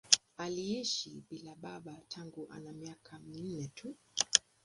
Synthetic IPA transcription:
aliiʃiɓilaɓaɓatʰaŋɡuʔa̰namiakʰamin̩nɛtʰu

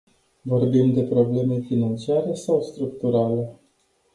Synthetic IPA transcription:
vo̞rbimd̪e̞pɾo̞ble̞me̞finant͡ʃiaɾe̞sawst̪ɾuk̚t̪uɾale̞

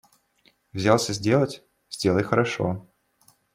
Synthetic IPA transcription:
vzʲalˠsʲəzʲdʲelˠətʲ | z̥ʲdʲe̞lˠəjxəɾɐʂo̰

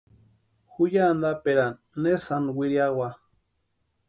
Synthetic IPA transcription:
xujand̪apeɾanːesanwiɾjawa

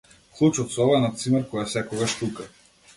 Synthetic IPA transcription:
klˠut͡ʃɔt̪sɔvanat̪simɛɾkɔjafsɛkɔɡaʃt̪uka

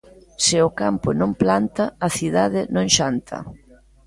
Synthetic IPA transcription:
sɪʊkampʊnõmplant̪ɐɐθiðaðɪnõŋʃant̪ʰɐ̰

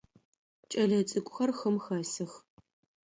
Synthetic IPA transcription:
t͡ʃʼɐɮɐt͡sʼɨkʷʼʊxɐrxɐmxaːsɨx

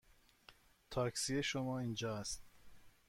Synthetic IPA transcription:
t̪ʰɒːksieʃomɒːind͡ʒɒːæst̪

